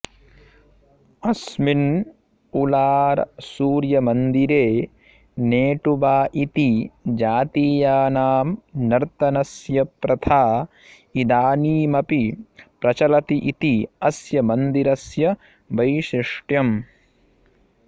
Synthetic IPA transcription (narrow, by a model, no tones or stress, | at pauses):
ɐsmin | ulaːɾsuːɾjɐmɐnd̪iɾeː | neːʈubaːʔit̪id͡ʒaːt̪iːjaːnaːmnɐɾt̪ɐnɐsjɐpɾɐt̪ʰaː | id̪aːniːmɐpipɾɐt͡ʃɐlɐt̪iʔit̪iɐsjɐmɐnd̪iɾɐsjɐ | ʋɐjʃɾɪʂʈjɐm